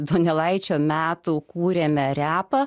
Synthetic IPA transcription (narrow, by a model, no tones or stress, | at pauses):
d̪oːnʲɛlˠɐɪt͡ʃʲoːmʲæːt̪uːkuːɾʲeːmʲɛɾʲæːpɐ